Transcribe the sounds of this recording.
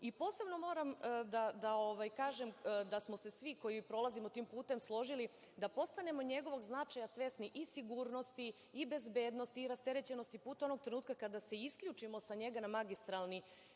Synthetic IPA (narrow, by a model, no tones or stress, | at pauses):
ipo̞ːse̞bno̞mo̞ːɾamd̪ad̪aoʋajkaːʒemd̪asmo̞se̞sʋiko̞jipɾo̞lˠazimot̪iːmpuːt̪e̞mslˠo̞ʒili | d̪apo̞st̪ane̞mo̞ɲe̞ɡo̞ʋo̞ɡznat͡ʃajasʋe̞sniʔisiɡuːɾno̞st̪iː | be̞zbe̞ːd̪no̞st̪iːɾast̪e̞ɾet͡ɕe̞no̞st̪ipuːt̪ao̞no̞ɡ̚t̪ɾe̞nuːt̪kakad̪ase̞iskʎuːt͡ʃimo̞saɲe̞ɡanamaɡist̪ɾalˠni